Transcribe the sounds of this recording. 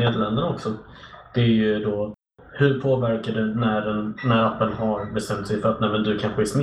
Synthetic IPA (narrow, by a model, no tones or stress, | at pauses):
neːd̪əɭlɛnd̪ənaɔksɔ | d̪̥ɛæɾjɵd̪ɔ | hɵɾpʰoːvæɾkaɖɵnæɖɛnnæɾapːənhaɾbɛst̪ɛmt̪sɛjfœɾat̪ɛːmɛnd̪ɵkʰanɧəæʂn